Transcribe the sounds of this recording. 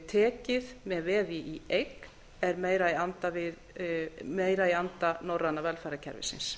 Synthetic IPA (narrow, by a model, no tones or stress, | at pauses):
t̪ʰɛːcɪðmɛðvɛːðɪʔiejkn | ɛɾmeːjɾaiant̪avɪð | meːjɾaiant̪anowraðnavɛlfajɾacʰɛ̰ɾvɪ̰sɪ̰ns